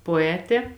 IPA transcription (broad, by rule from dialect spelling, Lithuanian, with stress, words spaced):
poːˈæːtʲeː